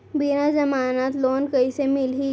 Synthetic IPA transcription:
binazɐmaːnaːt̪loːnkɐisemɪlɦi

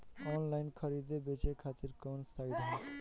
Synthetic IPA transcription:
ɔnlajnkʰʌɾid̪ebet͡ʃekʰat̪iɾkɔnsajɖɦɔt̪

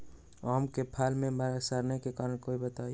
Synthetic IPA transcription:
ɔːmkepʰaːlmẽməɾasaɾnekekaːɾəɽ̃koːibət̪aːj

